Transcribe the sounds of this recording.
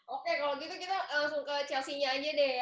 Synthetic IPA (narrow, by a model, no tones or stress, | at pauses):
ʔokekaloɡit̪ukit̪aaŋsuŋkat͡ʃasiɲaːd͡ʒadɛ